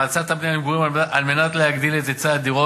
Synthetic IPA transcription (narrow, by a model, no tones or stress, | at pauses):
alt͡sat̪abnejaniɡuʁimaʔalme̞nat̪lehaɡd̪ilet̪et͡sad̪iʁo